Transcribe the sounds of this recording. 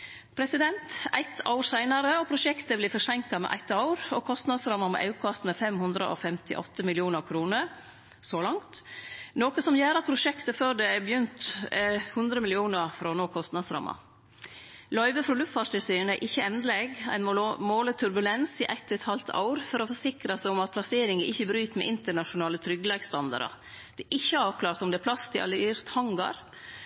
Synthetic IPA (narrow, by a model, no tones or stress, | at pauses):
pʰɾɛsɪd̪ɛnt̪æ̰ɪt̪ɑ̰ʊɾsæɪnɑɾəɔpʰɾʊʃɛkt̪əbliːfɔʂɛŋkɑmɛ̰ʔæ̰ɪt̪ːɑʊɾɔkʰɔst̪nɑd̪sɾɑmːɑmɛ̰ʔɑ̰ʉkʰɑst̪mɛfɛmhʉnd̪ɾə̰ʔɔ̰fɛmt̪ʰɪ̰ʔɔ̰t̪ːəmɪlɪuːnəɾkʰɾuːnəɾ | soːlɑŋt̪noːkəsɔmjeːɾɑt̪̚pʰɾʊʂɛkt̪əføːɖ̪ɛæbjʏnt̪ | hʉnd̪ɾəmɪlɪuːnəɾfɾonoːkʰɔst̪nɑd̪sɾɑ̰mɑ̰ | lœʏʋəfɾɔlʉft̪fɑt̪ɪlsyːnəæʔɪçːəɛnd̪əleɡæ̰ɪnmoːlət̪ʰʉɾbʉlɛnsɪʔæt̪ʰːʉt̪hɑlt̪ʰɑ̰ʊɾfɔɾɔfɔʂɪkɾɑsæɪɔmɑt̪̚pʰlɑseːɾɪŋəʔɪçːəbɾyːt̪mɛ̰ʔɪnt̪əɳɑʂʊnɑːlət̪ʰɾʏɡlɛɡst̪ɑnd̪ɑ̰ɾɑ̰ | d̪̥ɛʔɪçːəɑːʋkʰlɑːɾt̪ɔmd̪ɛæpʰlɑst̪ʰɪʔɑ̰lɪɾt̪hɑŋɡɑ̰ɾ